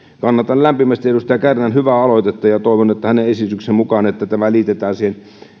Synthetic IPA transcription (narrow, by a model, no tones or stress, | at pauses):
kɑnːɑt̪ɑllæmpimæst̪iedust̪æjækærnænhyʋæɑloit̪et̪ːɑjɑt̪oˑiʋonet̪ːæhæneesit̪yksemmukɑːnet̪ːæt̪æʋælit̪et̪æːnsiːhen